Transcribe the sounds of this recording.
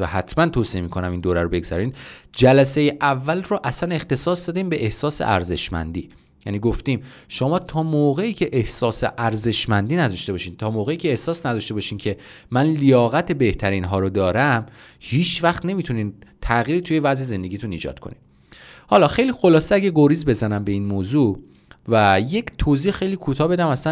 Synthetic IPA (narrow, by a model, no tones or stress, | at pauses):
æhæt̪ʰmænt̪ʰoːsiemiːkʰo̞næmind̪oːɾæɾobe̞ɡz̥æ̰ɾiːnd͡ʒælæsejeʔævːælroʔæsæne̞xt̪e̞sɒːsd̪ɒːd̪iːmbe̞ʔehsɒːsḛʔæ̰ɾze̞ʃmæ̰nd̪iː | jæ̰niːɡoft̪iːm | ʃo̞mɒːt̪ʰɒːmoːɣe̞iːcʰeʔehsɒːsḛʔæɾze̞ʃmænd̪iːnæd̪ɒʃt̪e̞bɒːʃiːnt̪ʰɒːmoːɣeiːcʰeːhsɒːsnæd̪ɒːʃt̪ebɒʃiːmcʰe̞ | mænlijɒːɣæt̪ʰe̞be̞ht̪ʰæɾiːnɦɒːɾod̪ɒːɾæmhiːt͡ʃʰvæxt̪ne̞mit̪ʰuniːnt̪ʰæɣiːɾit̪ʰuje̞væzeze̞nd̪e̞ɡiːt̪ʰuniːd͡ʒɒ̰t̪kʰonid̥̪ | hɒːlɒːxe̞jliːxolɒːseæɡɟæɡoɾiːzbe̞zænæmbe̞inmoːzu | væje̞ct̪ʰoziːhxe̞jliːkʰut̪ʰɒːbe̞d̪æmæsæ